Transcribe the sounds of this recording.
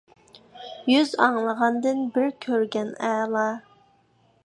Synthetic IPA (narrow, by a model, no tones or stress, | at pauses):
jyzɑŋlˠəʁɑnd̪ɨnbɪɾkʲʰøɾɡʲɛnɛːlˠɑ